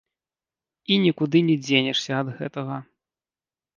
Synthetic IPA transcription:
inʲikud̪ɨnʲɛd͡zʲenʲɛʂsʲɐɐd̪ɣɛt̪ɐɣɐ

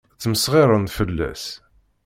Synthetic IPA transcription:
t͡sːəməsʁiɾˤənt̪fəlːæ̰s

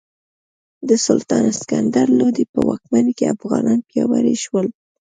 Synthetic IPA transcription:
d̪əsʊlt̪ɑnskand̪aɾlod̪ipəwɑk̚mankeafɣɑnʔɑnpjɑwaɾeʃwəl

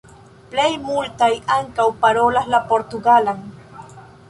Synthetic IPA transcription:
plejmʊlt̪ajaŋkawpaɾolalapoɾt̪ʊɡalaŋ

